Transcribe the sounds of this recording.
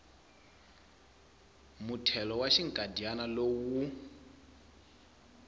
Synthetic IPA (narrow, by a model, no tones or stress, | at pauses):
mutʰɛlɔwaʃiŋkʼadianalowu